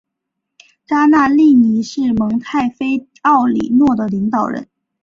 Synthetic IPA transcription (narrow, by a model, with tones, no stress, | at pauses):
ʈ͡ʂa˥na˥˧li˥˩ni˧˥ʂɻ̩˥˩mɤ˧˥ŋt̪ʰa˥˩ɪfe˥ɪ | ɑ˥˩ʊlḭ˨˩nwɔ˥˩d̪ə˩li˧˥ŋt̪ɑ˨˩ʊɻə̰˧˥n